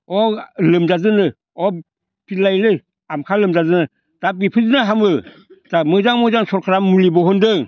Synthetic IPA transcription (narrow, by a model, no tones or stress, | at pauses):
ɔlɯmzazɯnɯ | ɔ | pilajlɯ | amkʰalɯmzazɯnɯ | d̥ap̚ɡipʰɯzɯnaɦamɯ | d̥amɯzaŋmɯzaŋsɔɾkʰɾamːulibɔɦɔndɯŋ